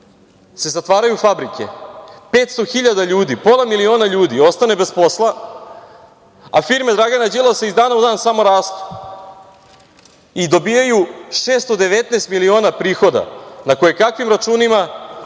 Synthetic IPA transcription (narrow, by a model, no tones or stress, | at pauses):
se̞zat̪ʋaːɾajufabɾikḛpet̪st̪o̞xiʎad̪aʎuːd̪ipo̞lˠamilio̞ːnaʎuːd̪io̞st̪ane̞be̞spo̞slˠa | a̰fiːɾme̞d̪ɾaɡanad͡ʑilˠaseizd̪aːnaud̪aːnsamo̞ɾaːst̪u̥ | id̪o̞biːjajuʃeːst̪od̪e̞ʋet̪neːst̪milio̞ːnapɾiːxo̞d̪a̰nako̞jekakʋimɾat͡ʃuːnima